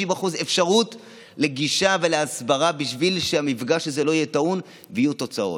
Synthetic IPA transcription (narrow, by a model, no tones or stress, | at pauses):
imbaχuze̞fʃaʁut | le̞ɡiʃave̞leasbaʁabiʃvilʃeamifɡaʃezelo̞ijetaun | vijuto̞t͡sao̞̰t